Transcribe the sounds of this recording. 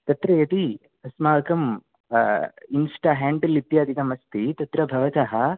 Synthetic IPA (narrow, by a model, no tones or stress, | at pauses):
t̪ɐt̪ɾɐjɐt̪i | ɐsmaːkɐm | insʈaːɦaːɳɖɐlit̪jaːd̪ʱikɐmɐst̪it̪ɐt̪ɾɐbʱɐʋɐt̪ɐɦɐ